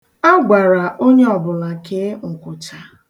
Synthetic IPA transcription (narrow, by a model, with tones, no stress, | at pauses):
a˦ɡ͡ba˨ɾa˨ʔo˦ɲe˦ɔ˨bʊ˨la˨ke˦ŋ̩˨kʷʊ˨t͡ʃa˨